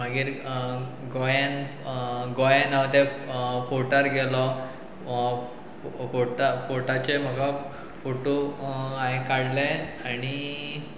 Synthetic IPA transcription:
m̤əɡiːɾ | ɡojan | ɡojãnaʋd̪efoʈəɾɡelɔ | foʈafoʈat͡ɕem̤əɡa | foʈoaɦekaɽleaɽ̃i

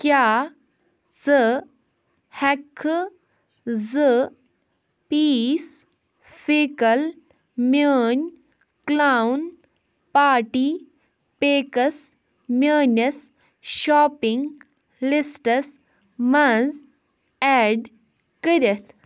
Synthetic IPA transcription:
kjaː | zɨ | hɐkʰː | zɨ | piːs | feːkɐl | mʲəːnʲ | klaːwn | paːʈiː | peːkɐs | mʲəːnɐs | ʃaːpiŋɡ | lisʈɐs | mɐz | ɛːɖ | kəɾʲɐt̪ʰ

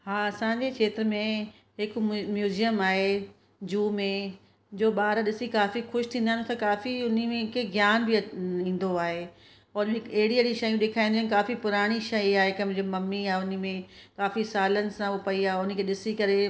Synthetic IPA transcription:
ɦaːɐsãːɲd͡ʑekʰeːt̪ɾmẽ | ɦɪkmjuːzijəmaːɦe | d͡ʑuːmẽ | d͡ʑoːɓaːɾaɗɪsikaːfixʊʃt̪ʰĩnd̪aɦent̪ãkaːfiʊnimẽkʰeɡjaːnbɪĩːn̆d̪oaːɦe | ɔːʊnm̃ɦɪkɐɦɪɽiɐɽiʃɐjũɗeːkʰaːĩnd̪iaːnkaːfipʊɾaːɽ̃iʃɐiaːɦekɐm̃d͡ʑemɐmːiaːɦeʊnə̆mẽkaːfisaːlənɪ̆sãopɐiaːɦeʊnəkʰeːɗɪsikɐɾe

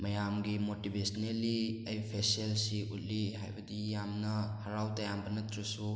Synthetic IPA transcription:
mɐjamɡimotibʱesonelːiɐjpʰesielsiutliɦa̰jbɐdijamnɐhɐɾawtɐjambɐnɐtɾisu

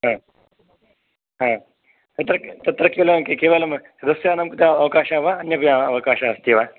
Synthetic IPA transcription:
ɦã | ɦãː | t̪ɐt̪ɾɐt̪ɐt̪ɾɐkelɐkekeʋalɐm | d̪ɐsjaːnɐmkut̪aɐʋɐkaːʃaʋaɐnjɐpjaɐʋɐkaːʃaɐst̪iʋa

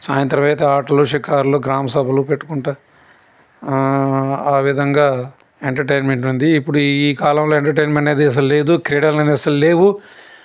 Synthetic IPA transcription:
saːjɐnt̪ɾɐmɐjt̪eːaːʈɐloːʃikaːɾloːɡɾaːmɐsɐbʱɐlupeʈːu̥kuɳʈaː | aːʋid̪ʱɐŋɡaː | eɳʈɐɾʈejnmeɳʈund̪iːpːuɽuiːkaːlɐmlo̞ːeɳʈɐɾʈ̬ejnmeɐɳʈeːd̪eːs̬ɐlle̞ːd̪ukɾeːɽɐɾnɐneːsɐlle̞ːwu

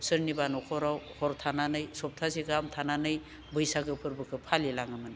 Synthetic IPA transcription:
sɯɾnibanɔkʰɔɾawhɔɾtʰananɯjsɔp̚tʰaziɡamtʰananɯj | bɯjsaɡɯpʰɯɾbɯkʰɯpʰalilaŋɯmɯn

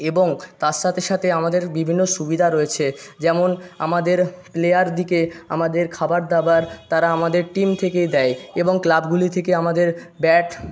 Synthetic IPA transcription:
eboŋt̪aɾʃat̪ʰeʃat̪ʰeamad̪eɾbibʱinːoʃubid̪ʱaɾoet͡ɕʰed͡ʑɛmona̰mad̪eɾplejaɾd̪ikea̰mad̪eɾkʰabaɾd̪abaɾt̪aɾaamad̪eɾʈimt̪ʰeked̪ɛeeboŋklabɡulit̪ʰekeamad̪eɾbɛʈ

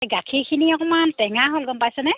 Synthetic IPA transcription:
ɡakʰikʰiniɔkɔmantɛŋaɦolɡɔmpajsɛnɛ

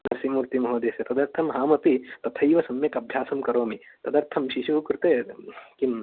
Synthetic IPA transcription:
ɐd̪ɐɾsimuːɾt̪imɐɦoːd̪eːsɐt̪ɐd̪ɐɾt̪ʰɐmɦaːmɐt̪it̪ɐt̪ʰɐjʋɐsɐmjɐkɐbʱjaːsɐmkɐɾoːmit̪ɐd̪ɐɾt̪ʰɐmʃiʃukɾɪt̪eːkim

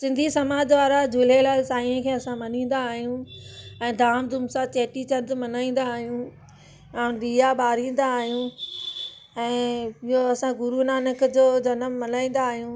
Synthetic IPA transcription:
sɪ̃nd̪ʱisɐmaːd͡ʑʋaːɾad͡ʑʱʊl̤elaːɪlsaːĩẽkʰeːɐsãmɐnĩːn̆d̪aːɦijũɛ̃ːd̪ʱaːmd̪ʊmsat͡ɕeːʈit͡ɕɐd̪mɐnaːĩːn̆d̪aːɦijũ | ãːnɾiːaɓaːɾĩːn̆d̪aːɦijũ | ɛ̃ːɪɦoɐsãɡʊɾunaːnəkd͡ʑoːd͡ʑɐnəmːɐnaːĩːn̆d̪aːɦijũ

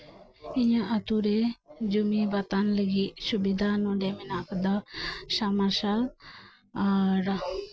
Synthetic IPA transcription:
iɲaʔət̪uɾɛd͡ʒumibat̪anləɡit̪subid̪ʱanɔ̃ɖɛmɛnakd̪asamaʃal | aɾ

